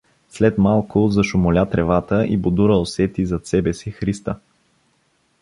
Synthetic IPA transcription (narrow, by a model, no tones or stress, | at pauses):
slɛt̪malˠkʊzɐʃʊmʊlʲat̪ɾɛvat̪əʔibʊd̪uɾəosɛt̪izɐt̪sɛbɛsixɾist̪ə